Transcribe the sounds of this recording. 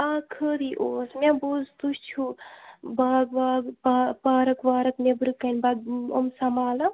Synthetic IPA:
aːkʰəɾiʔoːsmɛ̃bud͡zt̪ust͡ʃʰubaːɡ̚baːɡpapaːɾɐkʋaːɾɐkmebɾɨkɐnbaɡo̰msɐmaːlɐ

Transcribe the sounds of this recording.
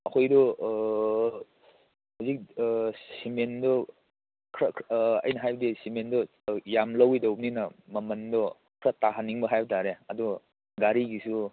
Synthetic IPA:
ɐkʰojdɔ | hazik̚simendɔ | kʰɾɐɐ̰jnɐɦajbdisimendɔ | jamlɐwidɐwp̚ninɐmɐmɐndɔ | kʰɾɐtaɦanːiŋbɐɦajbɐtʰaɾeɐdɔ | ɡaɾiɡisu

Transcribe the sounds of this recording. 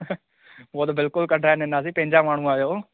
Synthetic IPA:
ʋoːd̪bɪlkʊlkəɖʱaːnẽnaːs̬iːpẽːɲd͡ʒaːmaːɽ̃ũːaːjoː

